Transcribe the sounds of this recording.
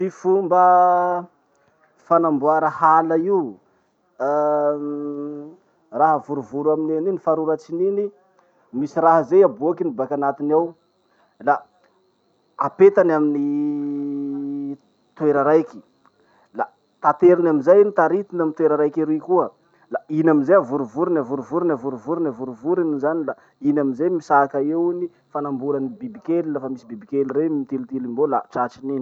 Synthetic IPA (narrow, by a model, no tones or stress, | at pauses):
fifumbə | fanambuaɾahalaiu | raɦəvuɾuvuɾuamineninifaɾuɾat͡sinini | misiɾaɦəzejabuakinibakanat̪inaw | la | apet̪anamini | t̪ueɾaɾajki̥ | la | t̪at̪eɾinaminzajnit̪aɾit̪inamint̪weɾaɾajkiɾikuə | lainaminzeavuɾuvuɾinavuɾuvuɾinavuɾuvuɾunavuɾuvuɾiminzanila | inaminzejmisakaewni | fanambulanibibikelilafəmisibibikʲeliremit̪ilit̪ilimbolaʈ͡ʂat͡ʃinini